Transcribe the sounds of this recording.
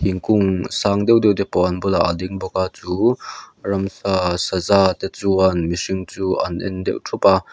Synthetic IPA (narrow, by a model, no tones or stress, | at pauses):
hiŋkʊŋsaːŋd̪ɛwd̪ɛwd̪ɛpɔʔɐnbɔlaʔɐd̪iŋbɔkaːt͡suːrɐmsasazaːt̪ɛt͡suɐnmisiŋt͡suːʔɐnʔɛ̰nd̪ɛ̰wtʰupa